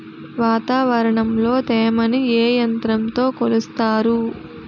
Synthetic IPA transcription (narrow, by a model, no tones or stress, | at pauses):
ʋaːt̪aːʋɐɾɐɳɐmlo̞ːt̪eːmɐnieːjɐnt̪ɾɐmt̪o̞ːkolust̪aːɾu